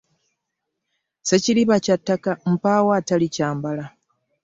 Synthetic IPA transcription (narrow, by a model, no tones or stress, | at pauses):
seciliβacatːakam̩paːwaːtalicaːmbala